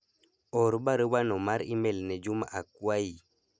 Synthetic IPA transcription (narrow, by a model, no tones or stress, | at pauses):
ɔɾbaɾəbanomaɾimelnɛd͡ʒumaʔakwai